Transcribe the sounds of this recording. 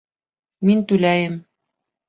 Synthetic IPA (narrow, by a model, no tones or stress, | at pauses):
mint̪ʉlæjɘm